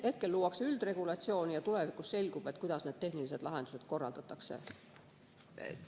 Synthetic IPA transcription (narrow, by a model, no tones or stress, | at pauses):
he̞t̪̚ke̞lːuːwɑkseyld̪̥re̞ɡ̥ulɑt̪sio̞ːnijɑt̪ule̞vikˑusse̞lʲɡ̥ub̥et̪ːˑkujd̪̥ɑsneːd̪teɦnilise̞d̪lɑɦe̞nd̪use̞t̪ko̞rːɑ̰ld̪ɑt̪ːˑɑkse̞̰